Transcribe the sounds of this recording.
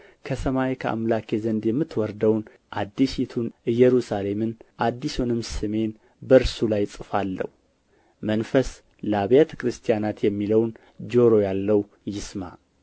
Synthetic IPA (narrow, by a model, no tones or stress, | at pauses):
kʰəsəmajekʰəa̰mlakʰezənd̪jɛmːɨt̪ːwɔɾd̪əwn | ʔad̪ːiʃit̪ʰunɨjːɛɾusale̞mɨnʔad̪ːisunɨmsɨme̞n | bəɾsulajt͡sʼɨfalːə̰hu | mənfəs | ləaβjat̪ʰə̥kɾɨst̪ʰijanat̪jɛmːiləwn | d͡ʒo̞ɾojalːəw | jɪsma̰